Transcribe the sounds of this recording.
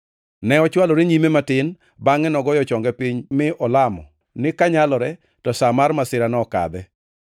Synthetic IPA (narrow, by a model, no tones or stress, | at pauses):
nɛɔt͡ʃwalɔɾeɲimematɪn | baŋɛnɔɡɔjɔt͡ʃɔŋɡɛpiɲmɪʔɔlamɔ̰ | nɪkaɲalɔɾɛ | tɔsamaɾmasɪɾanɔka̰d̪ɛ